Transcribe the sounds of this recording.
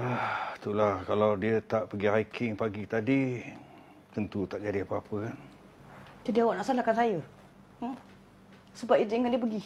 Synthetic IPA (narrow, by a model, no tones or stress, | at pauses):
aht̪ulahkalawdiət̪aʔpəɡiɾajkʰɪŋpaɡit̪adi | t̪ənt̪ut̪aʔd͡ʒadiapəapʰəkan | t̪ədiawaʔnaʔsalahkansajə | səbap̚idəʔiŋadiəp̬əɡi